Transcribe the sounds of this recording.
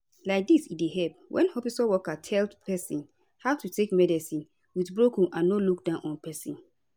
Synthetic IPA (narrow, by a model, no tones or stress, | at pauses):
laɪk̚disit̚deɦɛp̚wʔɛ̰̃nhɔfisɔwɔkatʰɛldpʰɛsĩn | hawtutekmɛdɛsĩn | witbɹokɔ̃nʔãnːoluk̚dãʊ̃nʔɔ̃npɛsḭ̃n